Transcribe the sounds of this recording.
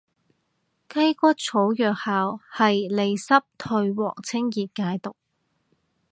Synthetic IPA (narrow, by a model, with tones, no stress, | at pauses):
kɐ˥jkʷɔ˥t̚t͡sʰo˨˥wjœː˨k̚haː˨whɐ˨jle˨˧jsɐ˥p̚t̪ʰɵ˧ɥwɔ̰ː˨˩ŋt͡sʰɪ˥ŋjiː˨t̚kaː˨˧˥jt̪ʊ˨k̚